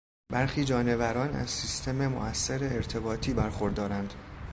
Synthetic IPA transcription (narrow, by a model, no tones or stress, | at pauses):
bæɾxiːd͡ʒɒːne̞væɾɒːnæ̰zsiːst̪ʰe̞memo̰ʔæsːeɾeːɾt̪ʰe̞bɒːt̪ʰiːbæɾxo̞ɾd̪ɒːɾænd̪̥